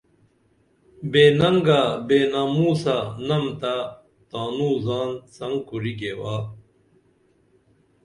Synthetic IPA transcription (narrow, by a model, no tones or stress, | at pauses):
beːnɐŋɡabeːnaːmuːsanɐmt̪a | t̪aːnuːzaːnsɐŋɡkuɾiɡewaː